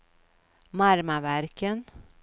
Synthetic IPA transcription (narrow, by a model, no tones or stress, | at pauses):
mɑɾmɑʋæɾkən